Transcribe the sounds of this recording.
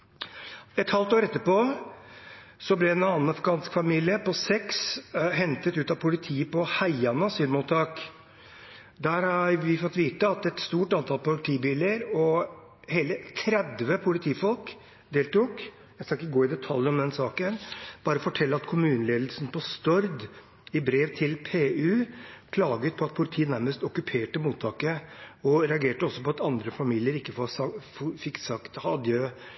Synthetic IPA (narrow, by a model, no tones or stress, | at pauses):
ɛt̪hɑlt̪oːɾɛt̪ːəpoː | sɔblɛɛnɑnnɑfɾkɑːnskfɑmiːlɪəpɔsɛksɦɛnt̪ət̪ʉːt̪ɑpʰʊlɪt̪ʰiːəpɔhæɪɑnəɑsyːd̪muːt̪ʰːɑːk | d̪æːɾhɑɾʋɪfɔt̪ːʋiːt̪əɑt̪ɛt̪st̪uːʈɑnt̪ʰɑlpʊlɪt̪ʰiːbɪlːəɾɔ | heːlət̪ʰɾɛd̪ʋəpʰʊlɪt̪ʰiːfɔlk | d̪eːlt̪uːk | jæɪskɑɪkːəɡoːɪd̪ɛt̪ʰɑljəɔmd̪ɛnsɑːkənb̥ɑːɾəɔfɔʈʰɛlːəɑt̪kʰʊmʉːnəleːd̪lsn̩pɔst̪œɾd̪ | ɪbɾeːʋt̪ʰɪlpʰeːʉːpʰlɑːɡət̪̚pʰɔɑt̪̚pʰʊlɪt̪ʰiːənæɾməst̪ɔkʉpʰeːʈəmuːt̪ʰɑːkəɔɾɛɑɡeːʈəɔsːɔpɔɑt̪ɑnd̪ɾəfɑmiːlɪəɾɪkːəfɔsɑffɪksɑkt̪hɑd̪jø